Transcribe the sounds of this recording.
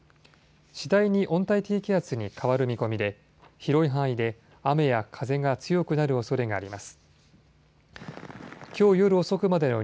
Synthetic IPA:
ɕid̪aiɲ̟iʔõ̞nt̪ait̪eːkʲiat͡sɨɲ̟ikʰaβaɾɯ̟mʲiko̞mʲid̪e̞ | çiɾo̞iɦãɰ̃id̪e̞ | ame̞jakʰaze̞ŋɡat͡sɨjo̞kɯ̟naɾɯ̟o̞so̞ɾe̞ɡaːɾʲimasɨ̥ | kʲo̞ːjo̞ɾɯ̟o̞so̞kɯ̟mad̪e̞no̞

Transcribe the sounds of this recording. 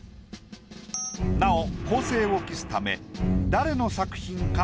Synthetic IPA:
nao̞ko̞ːse̞ːo̞kʲisɨ̥t̪ame̞̰d̪aɾe̞no̞sakɯ̟̥çĩŋka

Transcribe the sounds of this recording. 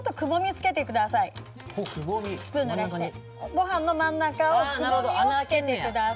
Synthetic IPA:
ot̪ːokɯ̟bo̞mʲit͡sɨ̥ke̞t̪ekɯ̟d̪asai | ɯipɯ̃nːoɾaɕit̪e | ɡo̞ɦãnːo̞mãnːakaokɯoke̞t̪e̞kɯ̟d̪a

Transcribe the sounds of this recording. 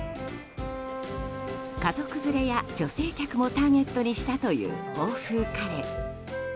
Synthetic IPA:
kazo̞kɯ̟zɨɾe̞jad͡ʑo̞se̞ːkʲakɯ̟mo̞t̪aːne̞t̪ːo̞ɲ̟iɕi̥t̪at̪o̞jɯ̟̰ːoːɸɯːkaɾe

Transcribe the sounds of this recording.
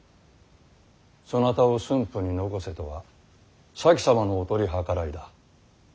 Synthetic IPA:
so̞nat̪ao̞sɨ̃mpɯɲ̟ino̞ɡo̞se̞t̪oβa̰ | sakʲi̥samano̞ːt̪o̞ɾʲiɦakaɾaid̪a

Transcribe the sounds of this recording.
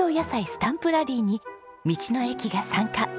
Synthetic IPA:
oːjasaisɨ̥t̪ãmpɯ̟ɾaɾʲiːɲ̟i | mʲit͡ɕino̞e̞kʲiɡasãŋka

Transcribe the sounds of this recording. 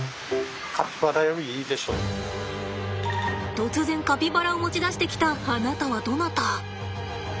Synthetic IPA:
kʰapʲi̥baɾajoβiiːd̪e̞ɕo̰ː | t̪o̞t͡sɨzẽ̞ŋkapʲibaɾaomo̞t͡ɕid̪aɕi̥t̪e̞kʲi̥t̪aːnat̪aβad̪o̞nat̪a

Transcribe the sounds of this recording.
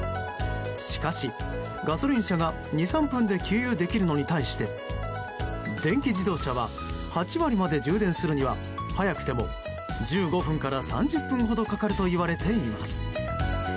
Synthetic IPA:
ɕi̥kaɕi | ɡaso̞ɾʲĩɕaɡa | ɲ̟isãmpɯ̟̃nd̪e̞kʲʰɨːjɯːd̪e̞kʲiɾɯ̟no̞ɲ̟it̪aiɕi̥t̪e̞ | d̪ẽ̞ŋkʲiʑid̪o̞ːɕaβ̞a | hat͡ɕiβaɾʲimad̪e̞d͡ʑɨːd̪ẽ̞ɰ̃sɨɾɯ̟ɲ̟iβa | hajakɯ̥t̪e̞mo̞̰ | d͡ʑɨːɡo̞ɸɯ̟̃ŋkaɾasã̰ɲd͡ʑɨpːɯ̟̃ɰ̃ɦo̞d̪o̞kakaɾɯ̟t̪o̞iβaɾe̞t̪e̞imasɨ̥

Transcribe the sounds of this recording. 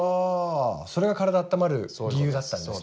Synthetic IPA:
aːso̞ɾe̞ɡakaɾad̪aːt̪ːamaɾɯ̟ɡʲijɯ̟ːd̪at̪ːãnd

